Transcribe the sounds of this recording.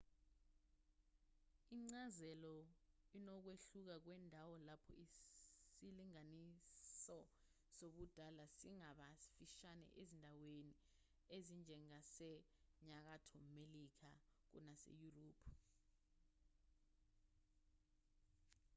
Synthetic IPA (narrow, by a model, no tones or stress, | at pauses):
iŋ͡ǀazɛlɔ | inɔk̬weɬuk̬ak̬wɛndʱawɔlapʰɔ̰isiliŋanisɔ | soɓud̥ʱalasiŋaɓasfiʃanɛ̰ʔezindʱaweni | ezind͡ʒʱɛŋasɛ | ɲak̬atʰɔmelik̬ak̬ṵnasḛjuroːpʰ